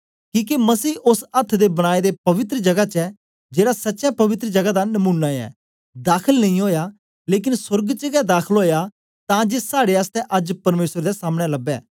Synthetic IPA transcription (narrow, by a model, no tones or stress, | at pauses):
kĩːkemɐsiːʊsɐt̪ʰːd̪ebɐɽ̃aːed̪epɐʋɪt̪ɾəd͡ʒɐɡat͡ʃɛ | d͡ʒeːɽasɐtːʃjapɐʋɪt̪ɾəd͡ʒɐɡad̪anɐmũːnːaɛ̰ː | d̪aːkʰəlnɐɦĩɦoːja | leːk̬ɪnsʊɾɡt͡ʃəɡɛd̪aːkʰəlɦoːja | t̪ãːd͡ʒesaːɽeast̪ɛʔɐd͡ʒpɐɾmeːsəɾd̪esaːmɽ̃ɛlɐbɛ̰ː